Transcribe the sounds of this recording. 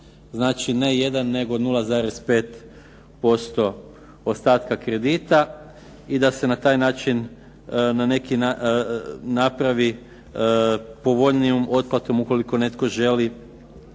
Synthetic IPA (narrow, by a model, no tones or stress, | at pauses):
znaːt͡ʃine̞je̞d̪anːe̞ɡo̞d̪nulˠazaːɾe̞spe̞ːt̪ | po̞st̪o̞ | ost̪aːt̪kakɾe̞d̪iːt̪a | id̪ase̞nat̪aːjnaːt͡ʃin | nane̞kinaː | apɾaʋi | po̞ʋo̞ʎniomo̞t̪̚plat̪o̞muko̞liko̞ne̞t̪ko̞ʒe̞li